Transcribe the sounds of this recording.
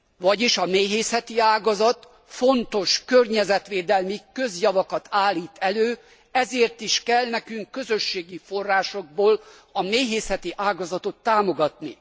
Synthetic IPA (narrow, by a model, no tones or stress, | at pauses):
ʋɒɟiʃɒmeːɦeːsɛt̪iaːɡɒzɒt̪ | fo̞nt̪o̞ʃkørɲɛzɛt̪ʋeːd̪ɛlmikø̞zjɒvɒkɒt̪aːlːiːt̪ɛløː | ɛzeːrt̪iʃkɛlnɛkyŋkːøzø̞ʃːeːɡifo̞rːaːʃo̞ɡ̚boːl | ɒmeːɦeːsɛt̪iʔaːɡɒzɒt̪o̞t̪ːaːmo̞ɡɒt̪nḭ